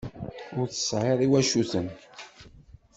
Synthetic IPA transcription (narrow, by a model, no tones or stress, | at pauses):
ʊɾθə̥sːʕeðˤiwæʃuθən